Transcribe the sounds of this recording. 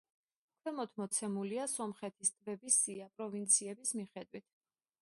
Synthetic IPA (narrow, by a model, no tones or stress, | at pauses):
akʰwɛmɔt̪ʰmɔt̪sʰɛmuliasɔmχɛt̪ʰist̪ʼvɛbisːiapʼɾɔvint̪sʰiɛbismiχɛd̪wit̪ʰ